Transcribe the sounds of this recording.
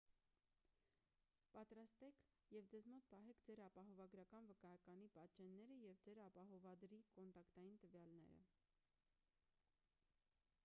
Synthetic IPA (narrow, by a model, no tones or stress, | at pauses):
pɑt̪ɾɑst̪ɛkʰ | jɛvd͡zɛzmɔt̪̚pɑɦɛkʰd͡zɛɾɑpɑɦɔvɑɡɾɑkɑnvəkɑjɑkɑnipɑt̪t͡ʃɛnːɛɾəjɛvd͡zɛɾɑpɑɦɔvɑd̪ɾikɔnt̪ɑkt̪ɑjint̪əvjɑlnɛ̰ɾə̰